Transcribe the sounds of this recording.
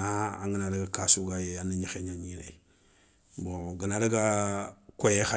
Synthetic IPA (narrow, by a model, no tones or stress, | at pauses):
aa̰ŋɡənadaɡakasuɡajeaniɲixeɲaɲina̰i | boɡənadaɡakojexa